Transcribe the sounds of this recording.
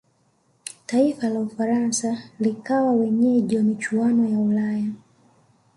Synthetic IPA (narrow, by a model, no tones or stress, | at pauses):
taifalaufaɾansalikawawɛɲɛʄwamit͡ʃuanɔjaulaja